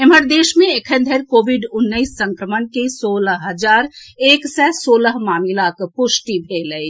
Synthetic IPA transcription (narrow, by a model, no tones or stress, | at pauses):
em̤əɾd̪eːʃmẽekʰənd̪ʱəɾkoʋiɖʊnːəɪsːə̃ŋkɾəmənkesoləɦɦəd͡ʒaːɾeːksɛsoːləɦmaːmilakpʊsʈibʱeləj